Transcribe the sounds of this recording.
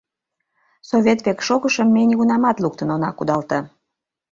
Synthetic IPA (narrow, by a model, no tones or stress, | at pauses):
soβʲet̪βekʃoɣəʃəmːenʲiɣunɑmɑt̪luk̚t̪ənonɑkud̪ɑlt̪ə